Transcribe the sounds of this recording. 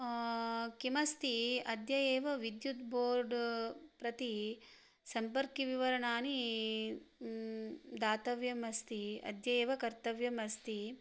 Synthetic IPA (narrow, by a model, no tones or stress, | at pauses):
kimɐst̪iɐd̪jɐjeːʋɐʋid̪jut̪bʱoːɾɖpɾɐt̪i | sɐmpɐɾkiʋiʋɐɾɐɳaːni | d̪aːt̪ɐʋjɐmɐst̪iɐ̰d̪ʱjɐjeːʋɐkɐɾt̪ɐʋjɐmɐst̪i